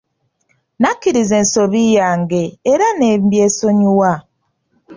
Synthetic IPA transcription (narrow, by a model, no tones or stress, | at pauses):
nakiɾizensoβijaŋɡeːɾanem̩bjesoɲuwa